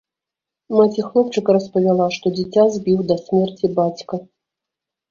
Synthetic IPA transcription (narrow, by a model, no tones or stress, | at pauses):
mat͡sʲixlˠɔp̚t͡ʂɨkɐɾɐspɐvʲalˠaʂt̪ɔd͡zʲit͡sʲazʲbʲiwd̪ɐsʲmʲɛrt͡sʲibat͡sʲkɐ